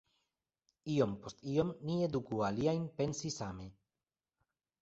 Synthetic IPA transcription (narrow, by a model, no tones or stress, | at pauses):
io̞mpost̪io̞mnie̞dukualiajnpe̞nsisame̞